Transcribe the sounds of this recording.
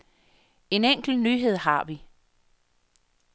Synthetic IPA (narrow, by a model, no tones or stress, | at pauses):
e̝neŋ̰ɡ̥l̩nyːɦe̝ð̞̰ˠɦɑ̈ʋi